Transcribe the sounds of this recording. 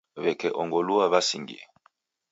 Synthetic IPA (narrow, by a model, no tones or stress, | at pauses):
βɛkɛʔɔŋɡɔluaβasiŋɡḭɛ